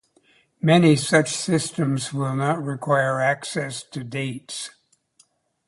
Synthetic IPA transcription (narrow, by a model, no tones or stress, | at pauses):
mɛnisʌt͡ʃsɪstɨ̃mzwɪlˠnət̚ɹɪkʰw̥aɪə˞æksɛstʰɨdeɪts